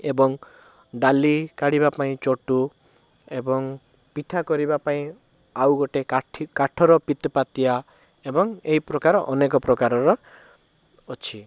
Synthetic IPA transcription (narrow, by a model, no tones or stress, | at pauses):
ebɔŋ | ɖalikaɽiβapaĩt͡ʃoʈu | ebɔŋ | piʈʰakɔɾibapaĩ | awɡɔʈeaʈʰkaʈʰɔɾɔpit̪pat̪ia | ebɔŋeɦipɾɔkaɾɔʔɔnekɔpɾɔkaɾɔɾɔ | t͡ʃʰi